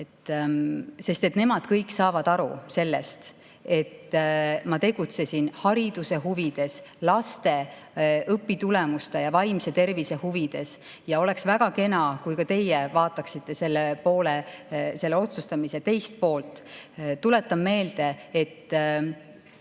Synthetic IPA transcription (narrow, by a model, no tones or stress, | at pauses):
et̪ː | se̞st̪et̪ne̞mɑd̪̥kɤjkːˑsɑːvɑd̪̥ɑɾṵse̞lːe̞st̪ | e̞t̪ːmɑt̪e̞ɡ̥ut̪se̞sʲinhɑɾid̪̥use̞ɦuvid̪̥e̞slɑst̪e̞ | ɤpːit̪ulemust̪e̞jɑvɑjmse̞t̪e̞rvise̞huvid̪̥e̞s | jɑo̞le̞ksvæɡ̥ɑke̞nɑkujkɑt̪e̞jevɑːt̪ːˑɑksit̪ˑːe̞se̞lːepo̞ːlese̞lːeo̞t̪sust̪ɑmise̞t̪e̞jst̪̚po̞ːlt̪ˑt̪ːule̞t̪ˑːɑmme̞ːld̪̥e̞et̪ː